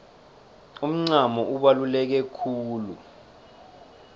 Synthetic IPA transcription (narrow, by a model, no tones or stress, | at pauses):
um̩ŋ͡ǀamɔuɓalulɛk̬ɛkʰuːlṵ